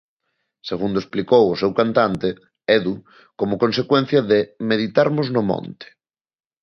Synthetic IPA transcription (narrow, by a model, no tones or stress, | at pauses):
seɣ̞und̪oesplikowʊsɛwkant̪ant̪ɪ | ɛðu | komʊkonsekwɛn̟θjɐðɪmeðit̪aɾmʊznʊmɔ̰̃nt̪ɪ̥